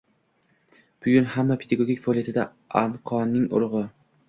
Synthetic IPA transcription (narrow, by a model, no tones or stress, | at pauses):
b̥ʊɡʲʊnhamːapʰe̞d̪aɡoɡʲikʲfaːlijat̪ʰɪd̪a | anqʰɒnːɪŋʊ̰ɾʁɨ